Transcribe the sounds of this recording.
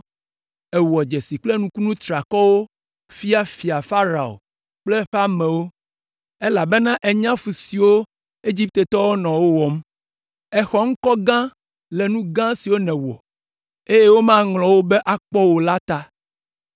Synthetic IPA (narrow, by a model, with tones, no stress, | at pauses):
ɛ˨wɔ˨d͡ʒe˨si˨k͡ple˦nũ˨ku˦nũ˦t̪ɾa˨kɔ˦wo˦ | fi˦a˦fi˨a˨fa˦ɾa˨o̰˨ | k͡plɛ˦ɸa˦mɛ̃˨wo˦ | e˦la˨be˦nã˦ʔe˨ɲã˦fu˨si˨wo˦ | e˦d͡ʒi˦p̚t̪e˨t̪ɔ˦wo˦nɔ̃˨wo˦wɔ˨m˦ | ɛ˨xɔ˦ŋ̩˦kɔ˦ɡã˦ | lɛ˨nũ˦ɡã˦si˨wo˦nɛ̃˨wɔ̰˨ | e˦je˦wo˦mã˦ŋlɔ̃˨wo˦be˦ʔa˨k͡pɔ˦wo˨la˦t̪a˦